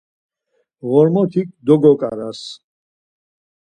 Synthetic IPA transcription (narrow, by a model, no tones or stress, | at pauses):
ʁɔɾmɔt̪ʰik̚d̪ɔɡɔkʼa̰ɾas